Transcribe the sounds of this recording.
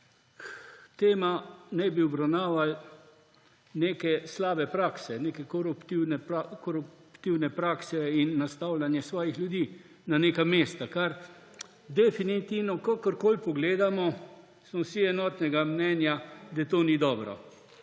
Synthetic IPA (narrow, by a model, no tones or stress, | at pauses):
kt̪eːmanɛjbiɔbɾawnaːʋal | neːkɛslaːbɛpɾaːksɛneːkɛkɔɾupt̪iwnɛkɔɾupt̪iwnɛpɾaːksɛinːast̪awlanjɛsʋɔːjixljud̪iː | nanekameːst̪akaɾ | d̪ɛfinit̪iwnɔkakəɾkoːlpɔɡleːd̪amɔ | smɔsiɛnɔːt̪nɛɡamnɛnjad̪at̪oːnid̪ɔːbɾɔ̰